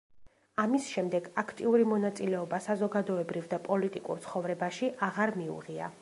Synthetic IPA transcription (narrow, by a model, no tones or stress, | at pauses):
amisʃɛmd̪ɛɡakʰt̪ʼiuɾimɔnat̪sʼilɛɔbasazɔɡad̪ɔɛbɾivd̪apʼɔlit̪ʼikʼṵɾt̪sʰχɔvɾɛbaʃiʔaʁaɾmiṵʁia̰